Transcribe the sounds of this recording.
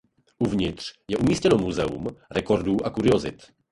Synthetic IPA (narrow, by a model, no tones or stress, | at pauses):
ʔuvɲɪt̪r̝̥jɛʔumiːscɛno̞muzɛṵmɾɛko̞ɾduːʔakuɾɪo̞zɪt̪